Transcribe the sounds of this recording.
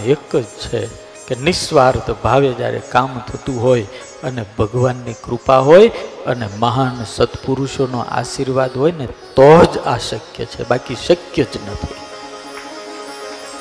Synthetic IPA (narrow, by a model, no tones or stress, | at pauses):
ekd͡ʒt͡ʃʰe | kenɪʃʋaɾt̪ʰbʱaʋed͡ʒja̰ɾḛkamt̪ʰət̪ũɦoj | ənebʱəɡʋanːikɾupaɦojəneməɦansət̪puɾuʃono̰ʔa̰ʃiɾʋad̪ɦojnet̪ɔd͡ʒa̰ʃəkjə̰t͡ʃʰḛbakiʃəkjəd͡ʒnət̪ʰi